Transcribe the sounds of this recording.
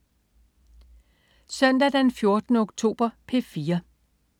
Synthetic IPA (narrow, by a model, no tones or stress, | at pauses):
sœn̰d̥æd̥ænfjo̝ɐd̥nəɔɡ̥t͡sʰo̝̰ːb̥ɐpʰe̝fiːɐ